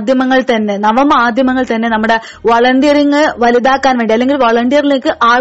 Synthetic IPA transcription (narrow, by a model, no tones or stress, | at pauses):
d̪ʱjɐmɐŋːɐɭt̪ɐnːenɐʋɐmaːd̪ʱjɐmɐŋːɐɭt̪ɐnːenɐmːuɽe | ʋɐɭɐɳɖijɐɾiŋːɐʋɐliðaːkːaːnʋeːɳɖiɐlːe̞ŋɡilʋoɭɐɳɖijɐɾileːkːɨʔaːɭ